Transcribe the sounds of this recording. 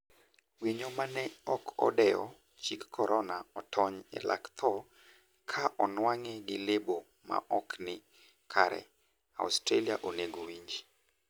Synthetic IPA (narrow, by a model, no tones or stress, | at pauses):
wiɲomanɛɔkʰɔ̰dɛjɔ̰ | t͡ʃikːʰɔɾʔɔnaɔtʰɔɲɛ̰lʔa̰kt̪ʰɔ | kʰaʔɔnwaŋɛɡɪlebo | ma̰ʔɔknɪ | kʰaɾɛ̰ | a̰ustɾelia̰ʔoneɡowiɲd͡ʒi